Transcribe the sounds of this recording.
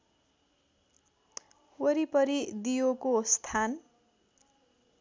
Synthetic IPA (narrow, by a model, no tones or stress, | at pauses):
wʌɾipʌɾid̪ijokost̪ʰan